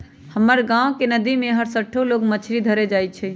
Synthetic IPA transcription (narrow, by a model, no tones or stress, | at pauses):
həməɾɡãːʋkenəd̪imẽɦəɾsəʈʰoloːɡmət͡ʃʰɾid̪ʱəɾed͡ʒaːit͡ʃʰɛ